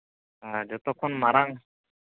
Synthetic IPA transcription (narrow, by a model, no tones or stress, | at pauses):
ad͡ʒɔt̪ɔkʰːɔnmaɾaŋ